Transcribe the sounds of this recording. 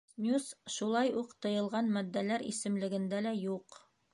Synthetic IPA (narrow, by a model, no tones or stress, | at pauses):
snʲusʃulˠɑjuqt̪ɤ̆jɤ̆lˠʁɑnmæd̪ːælæɾḭsɘ̆mlɘ̆ɡɘ̆nd̪ælæjuq